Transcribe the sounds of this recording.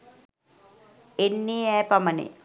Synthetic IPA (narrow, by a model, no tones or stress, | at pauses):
enːiːɛːpamənḛ